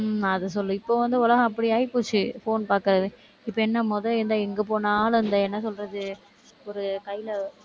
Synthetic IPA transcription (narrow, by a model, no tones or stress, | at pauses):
ɐðɐsɔlːɯɪpːoːʋɐnd̪ɯʊlɐɣɐ̃ɐpːɐɽiaːjpoːt͡ʃːɯfoːnpaːɾkɐɾɐðɯ | ɪpːoɛnːɐmɔðɐlɪɾɯnd̪aːɛŋɡɐpoːnaːlɐnd̪ɐɛnːɐsɔlɾɐðɯ | ɔɾɯkɐjlɐ